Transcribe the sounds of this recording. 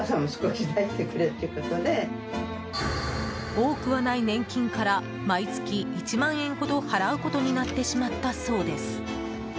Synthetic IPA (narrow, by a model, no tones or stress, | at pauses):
sãmːosɨ̥koçʲid̪ait̪ːekɯ̟ɾɯ̟t̪ːeɯ̟ko̞t̪o̞d̪e̞ | o̞ːkɯ̟βanainẽ̞ŋkʲĩŋkaɾa | mait͡sɨ̥kʲiːt͡ɕimãɰ̃ẽ̞ŋɡo̞d̪o̞haɾaɯ̟ko̞t̪o̞ɲ̟inat̪ːe̞ɕimat̪ːaso̞ːd̪e̞sɨ̥